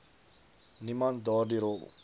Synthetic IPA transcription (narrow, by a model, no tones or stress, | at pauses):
nimand̪ɔdiɾo̰